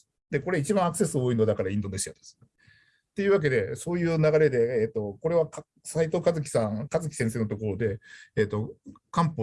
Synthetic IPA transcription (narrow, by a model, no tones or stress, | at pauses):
d̪̥e̞ko̞ɾe̞it͡ɕibãakɯ̟̥se̞sɨoːinod̪akaɾaĩnd̪o̞neɕijad̪esɨ̥ | t̪ːe̞jɯ̟ːβak̬e̞d̪e̞so̞ːjɯ̟ːnaɡaɾe̞d̪e̞ːt̪ːo̞ko̞ɾe̞βaka | sait̪o̞ːkazɨk̬ʲi̥sãŋkazɨkʲi̥sẽs̬eːnot̪o̞k̬o̞ɾo̞d̪e̞ːt̪ːo̞kãmpo